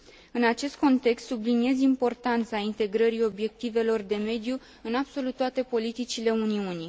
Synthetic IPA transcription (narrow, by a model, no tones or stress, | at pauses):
ɨnat͡ʃe̞st̪̚ko̞nt̪e̞kst̪sublinie̞zimpo̞rt̪ant̪saint̪e̞ɡɾəɾio̞bje̞k̚t̪ive̞lo̞rd̪e̞me̞d̪ju | ɨnab̥so̞lut̪ːat̪e̞po̞lit̪it͡ʃile̞uniuni